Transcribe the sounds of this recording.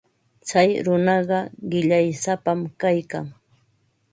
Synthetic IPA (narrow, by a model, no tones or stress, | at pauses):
t͡sajɾʊnɑɢɑɢɪʎajsapamkajka̰ŋ